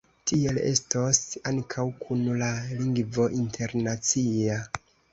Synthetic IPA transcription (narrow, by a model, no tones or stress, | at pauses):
tie̞le̞̰stosaŋkʰawkʰunlaliŋɡvo̞ʔintʰe̞ɾnat͡sia